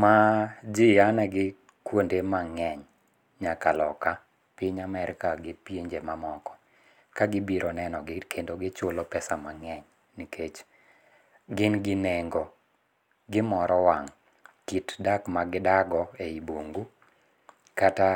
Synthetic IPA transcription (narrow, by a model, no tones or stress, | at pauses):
mad͡ʒɪanɛɡɪ | kwondemaŋɛɲ | ɲakalɔ̰ka | pɪɲamɛɾɪkaɡɪpjeɲd͡ʒemamɔkɔ̥ | kaɡɪbiɾɔnɛnɔɡɪkʰendoɡɪt͡ʃolopɛsamaŋɛɲ | nikʰet͡ʃ | ɡɪnɡɪneŋɡɔ | ɡɪmɔɾɔwaŋ | kitdakmaɡɪdaɡɔeiboŋɡu | kata